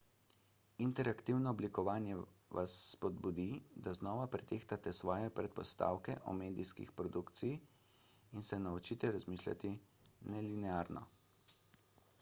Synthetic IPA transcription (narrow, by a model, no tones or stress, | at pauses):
int̪ɛɾakt̪iwnɔːblikɔʋaːnjɛʋa̰sːpɔd̪bud̪id̪aznɔːʋapɾɛt̪eːxt̪at̪ɛsʋɔːjɛpɾɛt̪̚pɔst̪a̰ːwkɛʔɔ̰meːd̪iskḭxpɾɔd̪ukt̪siji | insɛnaɔt͡ʃiːt̪ɛɾazmiːʃlʲa̰t̪i | nɛlinɛaːɾnɔ̰